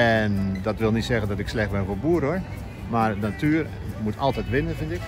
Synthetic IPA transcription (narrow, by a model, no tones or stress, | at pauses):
ɛndɔtʋɪlˠnitsɛɣəndɔtɪkslɛxt̚bɛnvoːbuːɾhoə | marənatʰyər | mutʰɔlˠtɛjtʋɪnəvɪntɪk